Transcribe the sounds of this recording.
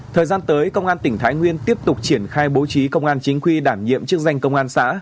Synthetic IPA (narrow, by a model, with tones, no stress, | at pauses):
t̪ʰəː˨˩jzaː˧nt̪əː˨˦jkə˧wŋ͡mʔaː˧nt̪ï˧˩ŋ̟t̪ʰaː˨˦jŋwi˧ənt̪i˦˥əp̚t̪ʊ˨˩k͡p̚t͡ɕi˧˩ənxaː˧jɓo˨˦t͡ɕi˨˦kə˧wŋ͡mʔaː˧nt͡ɕï˨˦ŋ̟xwi˧ɗaː˧˩nɲḭ˧˨əmt͡ɕɨ˦˥ək̚za˧jŋ̟kə˧wŋ͡mʔaː˧nsa̰ː˧˥